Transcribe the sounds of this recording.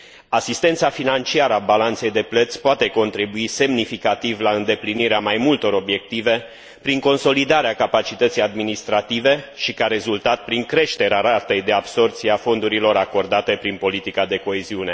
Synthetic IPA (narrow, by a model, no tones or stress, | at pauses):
asist̪e̞nt̪safinant͡ʃiaɾəabalant̪se̞jd̪e̞plət̪sʲpoat̪e̞ko̞nt̪ɾibuise̞mnifikat̪ivlaɨnd̪e̞pliniɾeamajmult̪o̞ɾo̞bje̞k̚t̪ive̞ | pɾiŋko̞nso̞lid̪aɾeakapat͡ʃit̪ət̪sijad̪minist̪ɾat̪ive̞ʃikaɾe̞zult̪at̪̚pɾiŋkɾe̞ʃt̪e̞ɾeaɾat̪ejd̪e̞abso̞rt̪siafo̞nd̪uɾilo̞ɾako̞rd̪at̪e̞pɾinpo̞lit̪ikad̪e̞ko̞eziune̞